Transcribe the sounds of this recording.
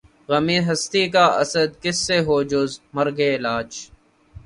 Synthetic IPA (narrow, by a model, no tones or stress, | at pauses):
ɣəmiːɦəst̪iːkaːʔə̰səd̪̚kɪsːeːɦoːd͡ʒʊzməɾɡeːlaːt͡ʃ